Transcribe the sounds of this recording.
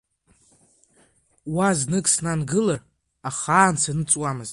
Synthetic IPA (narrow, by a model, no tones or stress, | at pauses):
waznɨkʼsnanɡɨlar | aχaːnt͡sʰanɨt͡sʼwamɨz̥tʼ